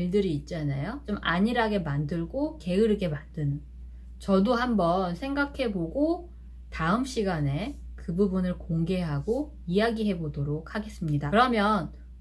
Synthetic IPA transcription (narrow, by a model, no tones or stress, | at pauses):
iɭdɯɾiːt̚t͡ɕ͈anajot͡ɕomaɲiɾaɡe̞mandɯɭɡoke̞ɯɾɯɡe̞mandɯn | t͡ɕʌdohambʌnsʰe̞ŋɡakʰe̞boɡo | taɯmɕ͈iɡane̞ | kɯbubunɯɭkoŋɡe̞ɦaɡo | ijaɡiɦe̞bodoɾok̚ʰhaɡe̞s͈ɯmɲidakɯɾʌmjʌn